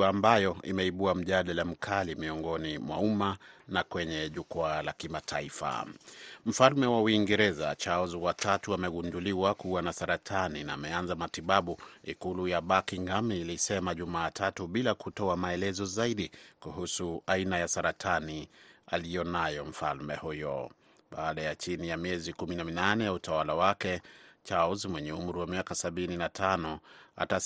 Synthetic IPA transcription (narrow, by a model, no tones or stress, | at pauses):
mbajɔḭmɛiɓuam̩ʄaɗalam̩kʰalimiɔŋɡɔnimwa̰umanakwɛɲɛʄukaalakimatʰaifa̰m̩falmɛwawiŋɡɛɾɛza̰t͡ʃaɔziwatʰatuamɛɡunduliwakuwanasaɾatʰaninaːmɛanzamatiɓaɓuḭkulujaɓakiŋɡamiːlisɛmaʄumaːtʰatuɓilakutɔamaɛlɛzɔzaiɗikuhusuainajasaɾatʰanialijɔnajɔm̩falmɛhujɔ | ɓaːɗajat͡ʃinijamiɛzikuminaminanɛjautawalawakɛt͡ʃalzmwɛɲɛum̩ɾiwamiakasaɓininatʰanɔa̰ta